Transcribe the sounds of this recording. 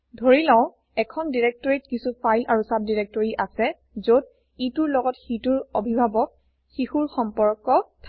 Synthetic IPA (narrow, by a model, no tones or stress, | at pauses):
dʱoɹilãʊ̃ | ɛkʰɔndiɹɛk̚tɔɹitkisupʰajlaɹusap̚diɹek̚tɔɹiʔasɛ | zod̚ | ituɹlɔɡɔtxituɹobʱibʱabɔk̚ | xixuɹxɔmpɔɹkɔtʰa